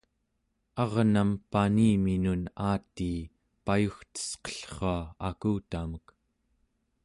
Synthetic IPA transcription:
ɑʁnampaniːminunaːt̪iː | pajuxt̪ə̥sqʌ̥ɬχoaakuːt̪amək

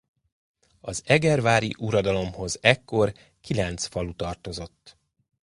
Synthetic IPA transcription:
ɒzɛɡɛrvaːɾiʔuɾɒd̪ɒlo̞mho̞zɛkːo̞r | kilɛnt̪sfɒlut̪ɒrt̪o̞zo̞t̪ː

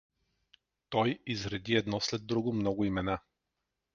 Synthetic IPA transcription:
t̪ɔjizɾɛd̪iɛd̪nɔslɛd̪̚ːɾuɡomnɔɡʊimɛna

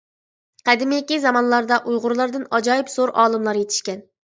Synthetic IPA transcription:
qʰɛd̪ɪmɪɪkʲizɑmɑnlˠɑɾd̪ɑʔujʁʊɾlˠɑɾd̪ɨnɑd͡ʒɑːjɨpsoɾʔɑ̰ːlˠɨmlˠɑɾjet̪ʰɪ̥ʃkʲɛn

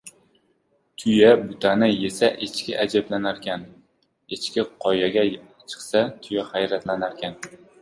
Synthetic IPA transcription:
t̪ʰʊjabʊt̪ʰanɪjesaʔet͡ʃkʲɪʔad͡ʒablanaɾkʲan | et͡ʃkʲɪqʰɒjaɡʲa | t͡ʃʰɨ̥qsat̪ʰʊjahajɾat̪lanaɾkʲʰan

